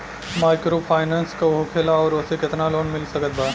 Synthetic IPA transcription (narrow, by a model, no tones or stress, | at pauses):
maːɪkɾopʰaːɪnãːnskaoɦokʰeːlaɔːɾʊsekɪt̪naloːnmɪlsɐkət̪̚baː